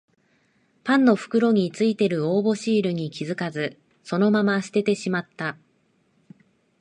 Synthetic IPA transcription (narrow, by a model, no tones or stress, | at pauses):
pãnːo̞ɸɯ̟̥kɯ̟ɾo̞ɲ̟it͡sɨit̪e̞ɾɯ̟o̞ːbo̞ɕiːɾɯ̟ɲ̟ikʲizɨkazɨ | so̞no̞mamaɕi̥t̪e̞t̪e̞ɕimat̪ːa